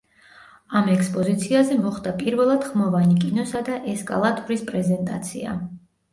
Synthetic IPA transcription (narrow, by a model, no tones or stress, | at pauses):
amɛkʰspʼɔzit̪sʰiazɛmɔχd̪apʼiɾvɛlˠad̪̥χmɔvanikʼinɔsad̪aʔɛskʼa̰lˠat̪ʼuɾispʼɾɛzɛnt̪ʼa̰t̪sʰḭa̰